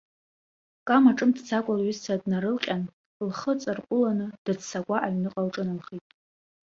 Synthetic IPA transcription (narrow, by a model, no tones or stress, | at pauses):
kʼamaʈ͡ʂʼɨmtʰt͡sʰakʷʼalɥizt͡sʰadnaɾɨlqʲʼan | lχət͡sʼarqʷʼʊlanɨd̥at͡ssakʷʼaʔaɥnɨqʼalʈ͡ʂʼɨnɨlχitʼ